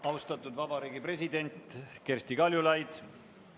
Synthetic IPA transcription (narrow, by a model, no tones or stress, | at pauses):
ɑwst̪ɑt̪ːˑud̪vɑbɑɾiːɡipre̞s̬ʲid̪e̞nʲt̪ke̞rsʲt̪ikɑljulɑjd̪̥